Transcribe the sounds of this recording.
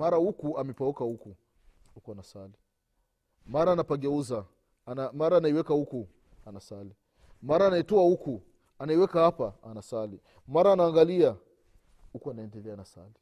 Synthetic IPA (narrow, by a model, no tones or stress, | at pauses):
maɾahukuamɛpaukahuku | hukuanasali | maɾaːnapaɡɛuza | maɾaːnaiwɛkahuku | anasali | maɾaːnaitɔwahuku | anaiwɛkahapaanasali | maɾaːnaːŋɡalia | hukuanaɛndɛlɛanasa̰li